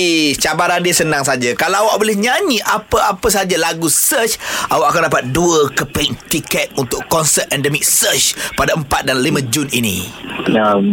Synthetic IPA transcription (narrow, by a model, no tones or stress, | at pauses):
it͡ʃabaɾandiəsənãŋsad͡ʒakalaawaʔ̚bolɪhɲaɲĩʔapəʔapəs̬ad͡ʒalaɡusət͡ʃʔa̰waʔakandapat̪̚duəkəpiŋt̪ikɛt̪̚unt̪ʊʔɔnsət̪̚ɛndəmik̚sət͡ʃpadaəmpat̪̚danlimãd͡ʒuninḭ̃ja